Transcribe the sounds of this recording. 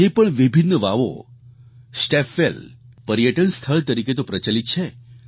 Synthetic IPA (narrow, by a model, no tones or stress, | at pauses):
epəɳʋibʱinːəʋaʋo̰ | sʈefelpəɾijəʈənst̪ʰəɭt̪əɾiket̪opɾət͡ʃalit̪̚t͡ʃʰe